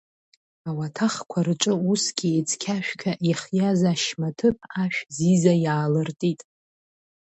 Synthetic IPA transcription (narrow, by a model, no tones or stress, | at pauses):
awatʰaχkʷʰarɨʈ͡ʂʼɨusɡʲiet͡sʰʼkʲʰaʃᶣkʲʰaʔiχjazaʃmatʰɨpʰaʃᶣzizajaːlɨrtʼitʼ